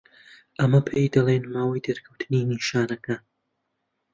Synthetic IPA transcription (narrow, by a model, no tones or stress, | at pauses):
ʔɐmɐpʰejd̪ɐlˠenmaːwijd̪eɾkʰɐwt̪ʰɨniniʃaːnɐkʰɐ